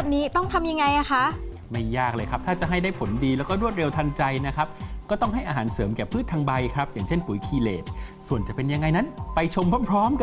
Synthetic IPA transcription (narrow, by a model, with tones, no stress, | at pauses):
niː˦˥t̪ɔ˥˩ŋt̪ʰa˧mja˧ŋːa˧jʔa˧˩xʰa˦˥ʔ | ma˥˩jːaː˥˩k̚lɤː˧jkʰɾa˦˥p̚t̪ʰaː˥˩t͡ɕa˨˩ʔɦa˥˩jdaː˥˩pʰo˩˦ndiː˧lɛː˦˥wkɔː˥˩ɾu˥˩ət̪̚ɾe˧wt̪ʰa˧nt͡ɕa˧jna˦˥kʰa˦˥p̚kɔː˥˩t̪ɔ˥˩ŋɦa˥˩jʔaː˧ɦaː˩˦nsɤː˩˦mkɛː˨˩pʰɯː˥˩t̪ʰːaː˧ŋba˧jkʰɾa˦˥p̚jaː˨˩ŋt͡ɕʰe˥˩npu˨˩˦jkʰiː˧lḛː˨˩t̪̚su˨˩ənt͡ɕa˨˩pe˧nja˧ŋːa˧jna˦˥npa˧jt͡ɕʰo˧mpʰɔ˥˩pʰɾɔː˦˥mk